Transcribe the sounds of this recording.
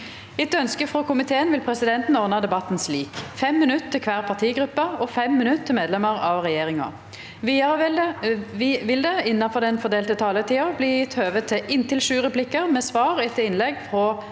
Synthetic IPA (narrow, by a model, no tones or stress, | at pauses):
ɪt̪œnskəfʁɔkʰʊmɪt̪ʰeːənʋɪlpʰʁɛsɪd̪ɛnt̪n̩ɔʁnɑd̪ɛbɑt̪ːn̩sliːkfɛmːɪnʉt̪ʰːɪlkʰʋæːʁpʰɑʁt̪ʰiːɡʁʉpːɑɔfɛmːɪnʉt̪t̪ʰːɪlmeːd̪lɛməʁɑʋʁɛjeːʁɪŋɑ̰ | ʋiːɑʁə | ʋɪld̪ɛɪnːɑfɔʁd̪ɛnfɔʁd̪eːlt̪ət̪ʰɑːlət̪ʰiːɑbliːjɪt̪høːʋət̪ʰːɪʔɪnt̪ʰɪlʃʉːʁəplɪkːəʁmɛːsʋɑːʁɛt̪ːəɪnlɛɡfʁɔ